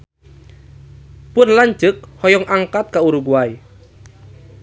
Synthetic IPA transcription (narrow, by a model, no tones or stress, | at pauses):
pʊnlaɲd͡ʒɨk̚hɔjɔŋʔaŋkat̪̚kauɾuɡuai